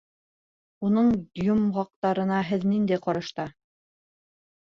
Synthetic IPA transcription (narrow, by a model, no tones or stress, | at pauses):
unɤɴjumʁɑq̚t̪ɑɾɤ̆nɑɦɘðnind̪æjqɑɾɤ̆ʃt̪ɑ